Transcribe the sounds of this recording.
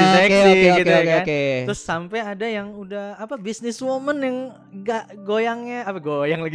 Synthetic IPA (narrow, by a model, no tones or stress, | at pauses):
iɛkeikeoitkeokeokeɾʊsːampajadajaŋudahapabisnɪswomənjaŋ | ɡaʔɡojaŋɲaapaɡojaŋlaɡ